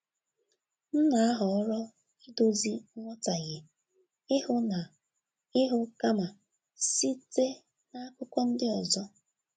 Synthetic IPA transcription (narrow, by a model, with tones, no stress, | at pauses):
n̩˦na˨a˦ɦɔ˨ɔ˦ɾɔ˦ | i˦do˦zi˦ŋʷɔ˦ta˨ɣɪ˨ | ɪ˦hʊ˦na˨ | ɪ˦ɦʊ˦ka˦ma˨ | si˦te˦ | na˦a˦kʊ˦kʷɔ˦n̩˦dɪ˦ɔ˨zɔ˦